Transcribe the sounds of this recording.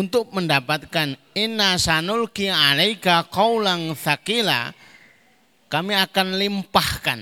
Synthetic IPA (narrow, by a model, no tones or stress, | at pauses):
unt̪ʊk̚məndapat̪̚kan | inːasanʊlkialajkaqɔwlaŋθakila̰ | kamiakanlimpahkan